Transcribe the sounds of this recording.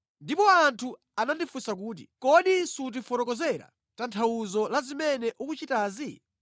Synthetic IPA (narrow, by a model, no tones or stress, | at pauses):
ndipɔantʰu | anandifusak̬uːt̬ḭkɔɗisut̬ifɔɾɔkɔzɛɾa̰ | tantʰawuzɔlazimɛnɛʔukut͡ʃitaːzi